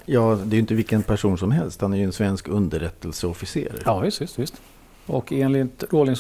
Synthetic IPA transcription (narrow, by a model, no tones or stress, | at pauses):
jɑːd̪ɛːɾjʏnt̪əvɪlkːənpʰæʂuːnsɔmhɛlst̪hanæɾjʏɛnsvɛnskɵnd̪əɾɛt̪ːəlsəɔfɪsḛːɾɾɑːvɪst̪vɪst̪vɪst̪ | ɔkeːnlɪt̪ɾoːlɪŋs